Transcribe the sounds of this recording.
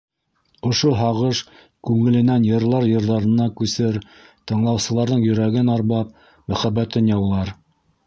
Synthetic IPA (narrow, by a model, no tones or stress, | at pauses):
ŏʃoɦɑʁɤʃ | kʉŋɘ̆lɘ̆nænjɤ̆ɾlˠɑɾjɤ̆ɾðɑɾɤ̆nɑkʉsɘɾ | t̪ɤ̆ɴlˠɑwsɤ̆lˠɑɾðɤɴjɵ̆ɾæɡɘnɑɾβɑp̚ | mæχæbːæt̪ɘnjɑwlˠɑɾ